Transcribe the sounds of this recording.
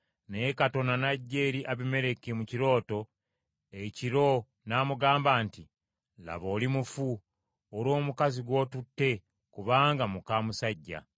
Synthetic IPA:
neekato̞nanaɟːe̞ːɾiʔaβime̞ɾe̞kimuciɾo̞ːto̞ | eciɾo̞ | naːmuɡaːmbaːnti | la̰βo̞ːlimufu | oɾo̞ːmukaziɡwo̞ːtutːe̞ | kuβaːŋɡamukaːmusaɟːa̰

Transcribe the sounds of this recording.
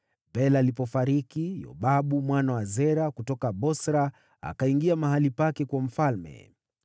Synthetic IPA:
bɛlaːlipɔfaɾikijɔ̰ɓaɓumwanawazɛɾakutɔkaɓɔsɾa | a̰kaiŋɡiamaɦalipakɛkwam̩falmɛ̰

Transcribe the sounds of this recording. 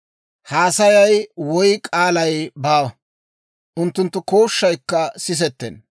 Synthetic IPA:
haːsɐjɐjwɔjkʼaːlɐjbaːwɐ | ʔʊnt̪ːʊnt̪ːʊko̞ːʃːɐjkːɐsɪs̬ɛt̪ːɛ̰n

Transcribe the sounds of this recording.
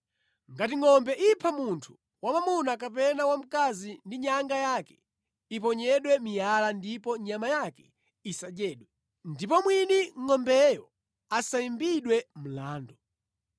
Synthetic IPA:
ŋɡatiŋɔmbɛʔipʰamuntʰu̥ | wamamunak̬apɛnawam̩kazindiɲaŋɡajaːkɛ̥ | ip̬ɔɲɛɗwɛmijalandipɔɲamajakɛ̥ | isad͡ʒɛːɗwɛ | ndip̬ɔmwiniŋɔmbɛjɔ | asaimbiɗwɛm̩laːndɔ

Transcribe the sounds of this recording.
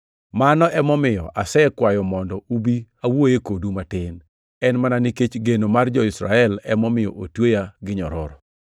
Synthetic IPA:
manɔʔɛmɔmɪjɔʔasɛkwajɔmɔndɔubiawojekodumatɪn | ɛnmananiket͡ʃɡenomard͡ʒɔisɾa̰ɛlɛmɔmɪjɔʔotwojaɡɪɲɔɾɔɾɔ

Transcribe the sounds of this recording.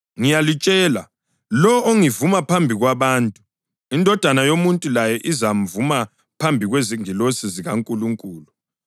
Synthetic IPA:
ŋijalit͡ʃʼɛːla | lɔoŋivumapʰambʱiɣwaβaːntʼu | indʱɔd̥ʱanajomuntʼulajɛʔizam̩vuma | pʰambʱiɣweziŋilosiziɣaŋkʼuluŋkʼuːlu

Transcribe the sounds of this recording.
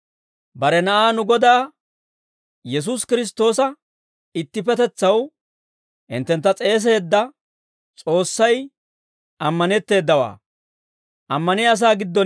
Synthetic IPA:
bɐɾɛnɐʔaːnʊɡɔd̪aː | jɛs̬uskɪɾɪs̬t̪o̞ːsɐ | ɪt̪ːɪpɛt̪ɛt͡sːɐw | ɪ̰nt̪ːɛnt̪ːɐt͡sʼe̞ːs̬e̞ːd̪ːɐ | t͡sʼo̞ːsːɐj | ʔɐmːɐnɛt̪ːe̞ːd̪ːɐwa̰ː | ʔɐmːɐnɪɐs̬aːɡɪd̪ːɔ

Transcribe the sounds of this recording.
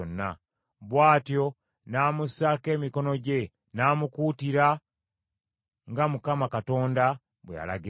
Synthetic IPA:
onːa̰ | βwaːtjo̞ | naːmusake̞ːmiko̞no̞ɟe̞ | naːmukuːtiɾa | ŋɡamukamakato̞ːnda | βweja̰la̰ɡi

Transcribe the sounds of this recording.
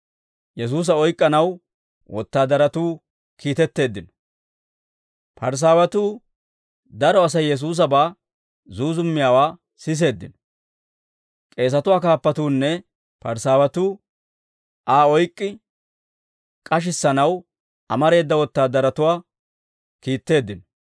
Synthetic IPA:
jɛs̬uːs̬ɐɔjkʼːɐnɐw | wʔɔ̰t̪ːaːd̪ɐɾɐt̪uː | kʰiːt̪ɛt̪ːe̞ːd̪ːɪnɔ̥ | pɐɾs̬aːwɐt̪uː | d̪ɐɾɔɐsɐjːɛs̬uːs̬ɐbaː | zuːzʊmːɪjaːwaː | sɪs̬e̞ːd̪ːɪ̰nɔ | kʼe̞ːs̬ɐt̪ʊwaːkaːpːɐt̪uːnːɛ | pɐɾsaːwɐt̪uː | ʔaːɔjkʼːɪ | kʼɐʃ̬ɪsːɐnɐw | ʔɐmɐɾe̞ːd̪ːɐwɔt̪ːaːd̪ɐɾɐt̪ʊwaː | kiːt̪ːe̞ːd̪ːɪnɔ

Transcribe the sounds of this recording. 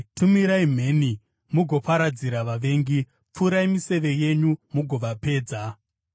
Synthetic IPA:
tʰumiɾaim̤e̞ni | muɡʱo̞paɾad͡ziɾaʋaʋe̞ːŋɡi | p͡fuːɾaimise̞ʋe̞je̞ɲumuɡʱo̞ʋape̞ːd͡za

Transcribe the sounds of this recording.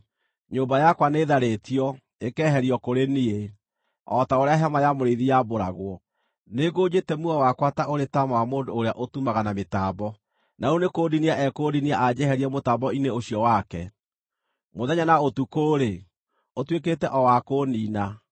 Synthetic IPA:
ɲoːmbajakwaneːðaɾetiɔ | ekɛɦɛɾiɔkoɾenie | ɔtaoɾeaɦamajamoɾeðijaboɾa̰ɣwɔ | neɣod͡ʑetɛmuɔwakwataoɾetamawamoːndoːɾeaʔotumaɣanametaːbɔ | naunekoːdiniaʔɛkoːdiniaʔad͡ʑɛhɛɾiɛmotaːbɔineoɕjɔwakɛ̰ | moðɛɲanaotukoːɾe | otweketɛʔɔwakoːniːna

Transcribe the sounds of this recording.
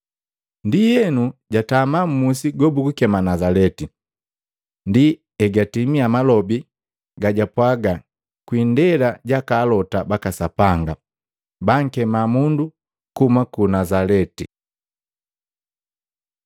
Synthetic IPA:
ndijɛnuɟatamam̩musiɡɔbukukɛmanazalɛti | ndi | ɛɡatimiamalɔbi | ɡaɟapwaɡa | kwindɛlaɟakaːlɔtabakasapaŋɡa | baŋ̩kɛmamundu | kumakunazalɛti

